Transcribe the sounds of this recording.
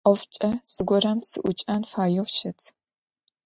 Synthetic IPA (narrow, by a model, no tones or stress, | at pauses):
ʔɔft͡ʃʼɐsɨɡʷɔɾamsɨ̰ʔʷʊt͡ʃʼɐnfaːjɔfʃɐtʰ